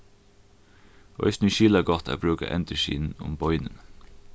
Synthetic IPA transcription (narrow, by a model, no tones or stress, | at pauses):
œ̰ʏsnyʃiːlɑɡɑt̪ʰæ̰ːbɾʉːkə̰ʔɛ̰nt̪əʃḭːn̩ʊ̰mbɔʏnən